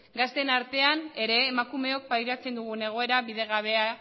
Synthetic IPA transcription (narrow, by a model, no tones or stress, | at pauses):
ɡast̪enaɾt̪e̞ane̞ɾe̞ːmakume̞o̞k̚pajɾat͡se̞nd̪uɣ̞une̞ɣ̞o̞e̞ɾaβiðe̞ɣaβ̞e̞a